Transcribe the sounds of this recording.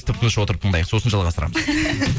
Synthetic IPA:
t̪ɪpt̪ʰnəʃwo̞t̪əɾəp̚t̪ʰəɴd̪ɑjəqso̞sənʒɑlˠʁɑst̪əɾɑ̰məz̥

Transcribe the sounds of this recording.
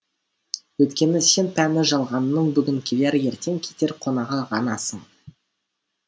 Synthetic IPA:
wɵt̪kʲe̞nɪse̞npʰænɪʒɑlˠʁɑnːəɴbʏɡʲɪŋkʲʰeleɾje̞ɾt̪e̞ŋkʲʰe̞̥t̪e̞ɾqʰo̞nɑʁɑʁɑnɑsəɴ

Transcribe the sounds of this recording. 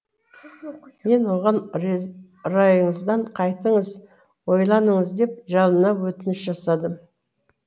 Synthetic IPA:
me̞nwo̞ʁɑn | ɾɑjəɴəzd̪ɑɴqʰɑjt̪əɴəz | wo̞jlˠɑnəɴəzd̪e̞p̚ʒɑlˠənɑwɵt̪ɪnɪʃʒɑsɑd̪əm

